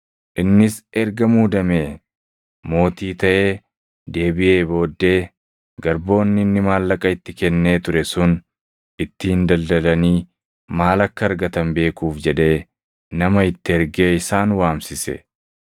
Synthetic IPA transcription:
ʔɪnːɪsʔɛɾɡɐmuːd̪ɐmeː | mo̞ːt̪iːt̪ɐʔeː | d̪e̞ːbɪʔe̞ːbo̞ːd̪ːe̞ː | ɡɐɾbo̞ːnːɪɪnːɪmaːlːɐkʼɐɪt̪ːɪkɛnːe̞ːt̪ʊɾɛsʊn | ʔɪt̪ːɪɪnd̪ɐld̪ɐlɐniː | maːlɐkːɐːɾɡɐt̪ɐmbe̞ːkuːfd͡ʒɛᶑe̞ː | nɐmɐɪt̪ːɪɛɾɡe̞ːɪsaːnwaːmsɪsɛ̰

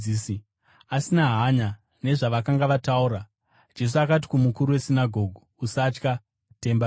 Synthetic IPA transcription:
isi | asinaɦaɲa | ne̞ʐaʋakaŋɡaʋatauɾa | d͡ʒe̞s̬uakat̬i̥kumukuɾuwe̞sinaɡʱo̞ɡʱuːsat͡ʃka | te̞mba

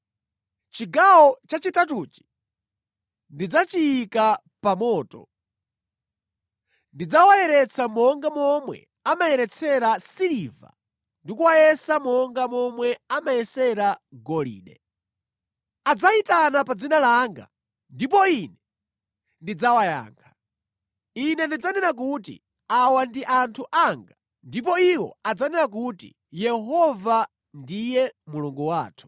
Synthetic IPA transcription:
t͡ʃiɡawɔt͡ʃat͡ʃitatut͡ʃi̥ | ndid͡zat͡ʃijːka | pamɔːtɔ̰ | ndid͡zawajɛɾɛt͡sʰamɔŋɡamɔmwɛ̰ | amajɛɾɛt͡sʰɛɾasiliva̰ | ndikuwajɛsamɔŋɡamɔmwɛamajɛsɛɾaɡɔlḭːɗɛ̰ | ad͡zaitanapad͡zinalaŋɡa̰ | ndipɔinɛ | ndid͡zawaja̰ːŋkʰḁ | inɛndid͡zanɛnak̬utḭ | awandiʔantʰuʔaŋɡa | ndip̬ɔiwɔ̰ad͡zanɛnak̬utḭ | jɛɦɔva | ndijɛmuluŋɡuwaːtʰu̥

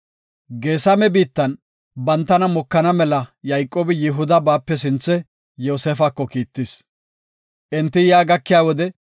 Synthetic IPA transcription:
ɡe̞ːsɐmɛbiːt̪ːɐn | bɐnt̪ːɐnɐmɔkːɐnɐmɛlɐjɐjkʼːoːbɪjɪɦʊd̪ɐbaːpːɛs̬ɪnt͡sːɛ | joːseːfɐkːɔkiːt̪ːɪs | ʔɛnt̪ːɪjaːɡɐkːɪjaːwɔd̪ɛ

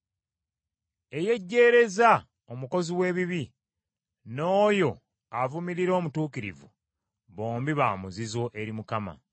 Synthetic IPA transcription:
e̞je̞ɟːe̞ːɾe̞za | omuko̞ziwe̞ːβiβi | no̞ːjo̞ | avumiɾiɾo̞ːmutuːkiɾḭvṵ | βo̞ːmbiβaːmuzizo̞ʔe̞ɾimukama̰

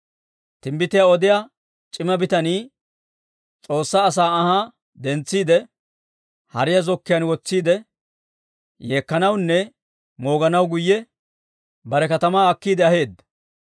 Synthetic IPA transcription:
t̪ɪmbɪt̪ɪjaɔd̪ɪja | t͡ʃʼɪmɐbɪt̪ɐniː | t͡sʼo̞ːsːaːs̬aːhaː | d̪ɛnt͡sːiːd̪ɛ | hɐ̰ɾɪjɐzɔkːɪjɐnwɔt͡sːiːd̪ɛ | jeːkːɐnɐwnːɛ | mo̞ːɡɐnɐwɡʊjːɛ | bɐɾɛkɐt̪ɐmaːɐkːiːd̪ɛɐɦe̞ːd̪ːɐ̥

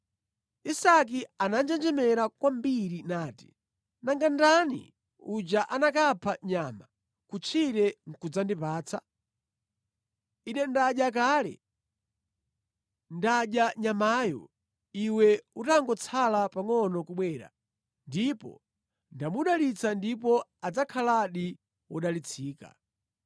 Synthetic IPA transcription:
isak̬ianand͡ʒɛnd͡ʒɛmɛɾakwambiɾinaːti̥̰ | naŋɡandanḭ | ud͡ʒaʔanakapʰaɲama | kut͡ʃʰiɾɛŋ̩kud͡zandipaːt͡sʰa | inɛndaʄak̬aːlɛ̰ | ndaʄaɲamaːjɔ̰ | iwɛutaŋɡɔt͡sʰalapaŋɔnɔkuɓwɛːɾa̰ | ndipɔ̰ | ndamuɗalit͡sandipɔad͡zakʰalaɗi | wɔɗalit͡sʰiːka̰

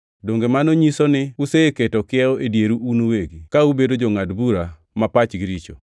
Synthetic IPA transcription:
doŋɡemanoɲisonɪuseeketɔkɪɛoʔedjeɾuunoweɡikaubedod͡ʒoŋadbuɾa | mapat͡ʃɡɪɾit͡ʃo

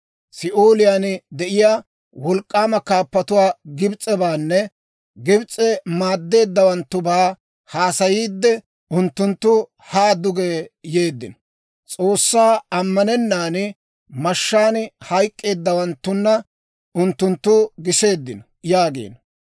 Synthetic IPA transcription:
sɪʔoːlɪjand̪ɛʔɪjaː | wɔlkʼːaːmɐkaːpːɐt̪ʊwaːɡɪbt͡sʼːɛbaːnːɛ | ɡɪbt͡sʼɛmaːd̪ːe̞ːd̪ːɐwɐnt̪ːʊbaː | haːsɐjiːd̪ːɛ | ʊnt̪ːʊnt̪ːʊ | haːd̪ʊɡeːje̞ːd̪ːɪnɔ̥ | t͡sʼo̞ːsːaːɐmːɐnɛnːaːn | mɐʃːaːnhɐjkʼːe̞ːd̪ːɐwɐnt̪ːʊnːɐ | ʊnt̪ːʊnt̪ːuːɡɪse̞ːd̪ːɪnɔ | jaːɡḛːn

